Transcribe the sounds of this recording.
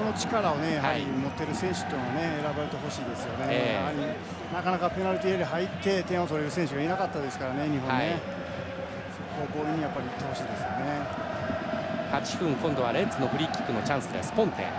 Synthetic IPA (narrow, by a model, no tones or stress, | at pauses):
ono̞t͡ɕi̥kaɾao̞ne̞jahaɾʲiimo̞t̪ːe̞ɾɯ̟sẽ̞ɰ̃ɕɨ̥t̪ːoĩmone̞eɾabaɾe̞t̪e̞ɦo̞ɕiːd̪e̞sɨjo̞ne̞amaɾʲi | nakanakape̞naɾɯ̟t̪iːeɾiɦait̪ːe̞t̪ẽɰ̃o̞t̪o̞ɾe̞ɾɯ̟sẽɕ̬ɨɡainakat̪ːad̪e̞sɨ̥kaɾane̞ɲ̟iɦõãe | sokoːko̞ːiɲ̟ːijapːaɾʲiit̪ːe̞ho̞ɕiːd̪e̞sɨjo̞ne̞ | hat͡ɕi̥ɸɯ̟̃ŋkõ̞nd̪o̞βaɾet͡sɨno̞ɸɯ̟ɾʲikʲːi̥kːɯ̟no̞t͡ɕãɰ̃sɨd̪esɨ̥põ̞nt̪ḛ̃